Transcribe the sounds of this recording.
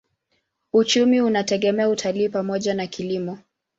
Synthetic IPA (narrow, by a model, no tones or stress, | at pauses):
ut͡ʃumiunatɛɠɛmɛautʰaliːpamɔʄanakʰilimɔ